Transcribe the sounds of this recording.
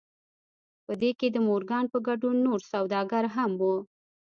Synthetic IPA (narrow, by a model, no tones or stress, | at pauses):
pəd̪eked̪əmoɾɡɑnpəɡaɖunːoɾsawd̪ɑɡaɾɦamwu